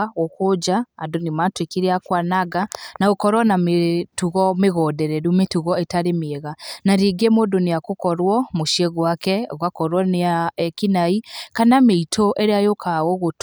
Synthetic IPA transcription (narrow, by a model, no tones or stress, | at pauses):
okod͡ʒaːndonematwekeɾeakwanaɣanaɣokɔɾwɔnametuɣɔmeɣɔdɛɾɛɾumetuɣɔetaɾemɛɣanaɾiɡemodoneakokɔɾwɔmoʃieɣwakɛɣwakɔɾwɔneakinaikanameitʰoʔeɾeajokʰaɣɔɣot